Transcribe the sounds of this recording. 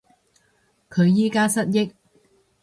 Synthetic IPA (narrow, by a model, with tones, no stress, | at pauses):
kʰɵ˨˧ɥjiː˥kaː˥sɐ˥t̚jɪ˥k̚